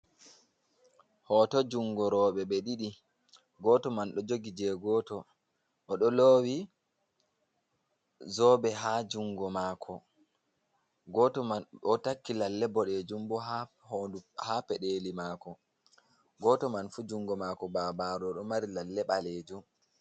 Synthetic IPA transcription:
hɔtɔd͡ʒuŋɡɔɾɔːɓɛɓɛɗiɗi | ɡɔːtɔmanɗɔd͡ʒoɡid͡ʒɛɡɔːtɔ | ʔɔɗɔloːwi | zɔːɓɛɦad͡ʒuŋɡɔmaːkʰɔ | ɡɔtɔmanɔtakːilalːɛbɔɗed͡ʒumbɔɦa | hoduhapɛɗelimaːkɔ | ɡɔtɔmanfud͡ʒuŋɡɔmakɔbabaɾɔɔɗɔmaɾilalːɛɓaleːd͡ʒum

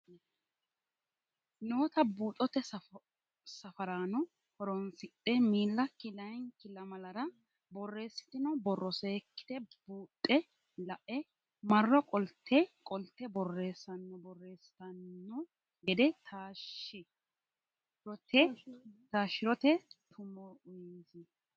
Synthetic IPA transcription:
noːt̪ɐbuːt̪ʼːɔt̪ɛ | sɐfɐɾaːnɔ | hɔɾɔnsɪt̪ʼːɛmiːlːɐkɪlɐjnkɪlɐmɐlɐɾɐ | bɔrːe̞ːsːɪ̥t̪ɪnɔbɔrːɔse̞ːkːɪ̥d̪ɛbuːt̪ʼːɛ | lɐʔɛ | mɐrːɔkʼɔlt̪ʰːɛkʼɔlt̪ːɛbɔrːe̞ːsːɐnːɔbɔrːe̞ːsɪ̥t̪ɐnːɔ | ɡɛd̪ɛt̪ʰaːʃːɪ | ɾɔt̪ɛt̪aːʃɪɾɔt̪ɛt̪ʰʊmɔʊjiːzɪ

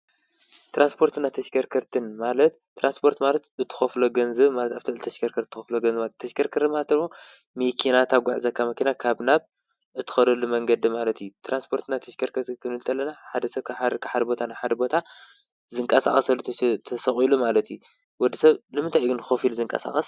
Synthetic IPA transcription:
t̪ʰɾanspʰo̞ɾt̪ɨnat̪ʰɐʃkʰɐɾkʰɐɾt̪ʰɨnmalɐt̪ːɾanspʰo̞ɾt̪malɐt̪ɨt̪ʰɨ̥xɐfloɡɐnzɐβmalɐt̪aβt̪ʰɨʕɨlɨt̪ʰɐʃkʰɐɾkʰɐɾt̪ɨt̪ʰːɨ̥xɐfloɡɐnzmalt̪t̪ʰːɐʃkʰɐɾkʰɐɾt̪malt̪ɨɾmo | mekʰinat̪ʰaɡʷaʕzɐkʰːamɐkinakʰaβnaβ | ɨt̪ʰːɨ̥xɐɾɐlumɐŋɡɐd̪imalɐt̪ijut̪ʰɾanspʰo̞ɾt̪nat̪ʰɐʃkʰɐɾkʰɐɾt̪kʰɨnɨlt̪ʰɐlːɐnaħad̪ɐsɐβkʰkʰaħad̪ɐbo̞t̪ʰanajħad̪ɐbo̞t̪ʰa | zɨŋkʼɐsa̰xʼɐsɐlːut̪ʰɐsɐχʼilumalɐt̪ju | wɔd̪ːɐsɐβnɨmɨnt̪ʰajɡɨnxofilzɨŋkʼɐ̰sa̰xʼɐs

